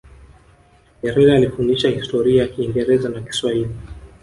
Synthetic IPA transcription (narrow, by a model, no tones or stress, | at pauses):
ɲɛɾɛɾaːlifundiʃahistɔɾiajakiːŋɡɛɾɛzanaki̥swahili